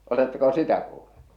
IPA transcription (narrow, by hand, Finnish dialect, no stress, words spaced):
oletːeko sitæ kuːl̥ːu̥